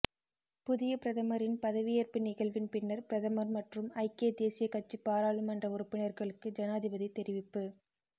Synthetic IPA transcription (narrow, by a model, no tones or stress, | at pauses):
pʊðɪjɐpɪɾɐðɐmɐɾɪnpɐðɐʋɪjɐɾpɪnɪɣɐɭʋɪnpɪnːɐɾpɪɾɐðɐmɐɾmɐʈrɯmɐɪkeːd̪eːsɪjɐkɐt͡ʃːipːaːɾaːɭɯmɐndrɐʊɾɯpːɪnɐɾɣɐɭɯkːɯd͡ʒɐnaːðɪbɐðit̪ːɛɾɪʋɪpːɯ